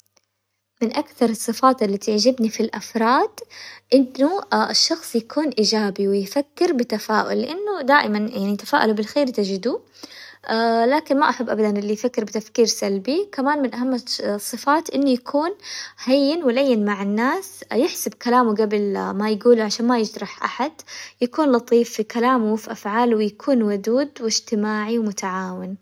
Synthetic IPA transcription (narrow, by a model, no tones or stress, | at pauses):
mɪnʔakθɑɾˤɨsˤːɨfɑːt̪ɪlːat̪ɪʕd͡ʒɪbnifilʔafɾˤɑːd̪ʔɪnːʊɪʃːɑxsˤjakuːnʔiːd͡ʒaːbiwɪjfakːɪɾbɪt̪afaːʔʊ̰lːɪʔanːʊd̪aːʔɪmanjaʕnijt̪ḁfaːʔalubɪlxeːɾt̪ɪd͡ʒɪd̪u | ʔalaːkɪnmaʔaħabːʔabad̪anʔɪlːijfakːɪɾbɪt̪afkiːɾsalbikamaːnmɪnʔaɦamːsˤːɨfaːt̪ʔɪnːʊjakʰuːnhajːɪnwɪlajːɪnmaʕɪnːaːsjɪħsabkalaːmuɡabɪlmajɡuːluʕaʃaːnmajɪd͡ʒ̪ɾˤɑħʔa̰ħad̪jakuːnlɑt̪ˤiːfːikalaːmwɪfiʔafʕaːlwɪjakʰuːnwʊd̪uːd̪wɪd͡ʒt̪ɪmaːʕiwmʊt̪aʕaːwɪn